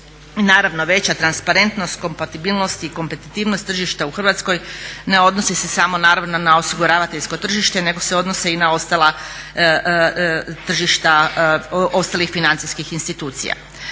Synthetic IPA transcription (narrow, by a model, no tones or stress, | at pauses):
naːɾaʋno̞ʋe̞t͡ɕat̪ɾanspaɾe̞nt̪no̞st̪ko̞mpat̪ibiːlˠno̞st̪iko̞mpe̞t̪it̪iːʋnost̪ːr̩ʒiʃt̪auxr̩ʋat̪sko̞jne̞o̞d̪no̞sise̞samo̞naːɾaʋno̞nao̞siɡuɾaːʋat̪eʎʲsko̞t̪r̩ʒiʃt̪e̞ne̞ɡo̞se̞o̞d̪no̞seinao̞st̪alˠa | t̪r̩ʒiʃt̪a | o̞st̪alixfinant̪siskixinst̪it̪uːt̪sḭja̰